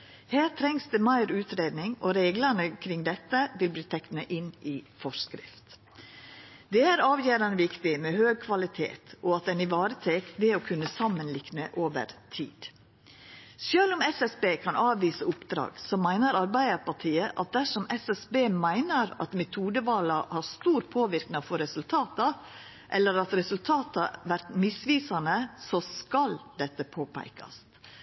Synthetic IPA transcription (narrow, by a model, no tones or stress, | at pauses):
hæːt̪ʰɾɛŋsd̪əmæɪɾʉːt̪ɾeːd̪nɪŋɔɾeːɡlənəkʰɾɪŋd̪ɛt̪ːəʋɪlbliːt̪ʰɛk̪ənəʔɪnɪfɔʂkɾɪ̰ft̪ | d̪ɛæɾɑːʋjøːɾɑnəʋɪkt̪ɪmɛːhøːɡ̚kʰʋɑlɪt̪ʰḛːt̪ɔɑt̪d̪ɛnɪʋɑːɾət̪ʰeːkd̪eːɔkʰʉnːəsɑmːənlɪknəʔoːʋə̰ɾt̪ʰḭːd̪̥ | søːlʊmɛsɛsbeːkʰɑnʔɑːʋʋiːsəʊpd̪ɾɑ̰ːɡsɔmːæɪnəɾɑɾbæɪd̪əɾpɑʈʰiːəʔɑ̰t̪̚d̪æʂɔmɛsɛsbeːmæɪnəɾɑ̰t̪mɛt̪ʰuːd̪əʋɑːlɑhɑɾst̪uːɾpʰoːʋɪɾknɪŋfɔɾɛsʉlt̪ʰɑːt̪ɑ | ʔɛlːəɾɑt̪ɾɛsʉlt̪ʰɑːt̪ɑʋæɾt̪mɪsʋiːsɑnəsɔskɑld̪ɛt̪ːəpʰoːpʰæ̰ɪkɑ̰s